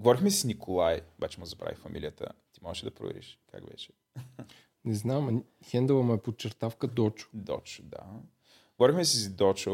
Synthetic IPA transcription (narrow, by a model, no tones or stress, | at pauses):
ɡovɔɾixmɛssnikʰolˠajobat͡ʃɛmozɐpɾa̰vifɐmʔilʲijət̪ə̰t̪imɔɛʃɛd̪ɐpɾo̰vɛ̰ɾḭʃkʰa̰kvɛ̰t͡ʃɛ̥ | nɛznam | xɛnd̪əvəmɐɛpott͡ʃɛɾt̪afkəd̪ɔt͡ʃʊ̥d̪ɔ̰t͡ʃʊ̥d̪a̰ | ɡovɔɾixmɛsizd̪ɔt͡ʃo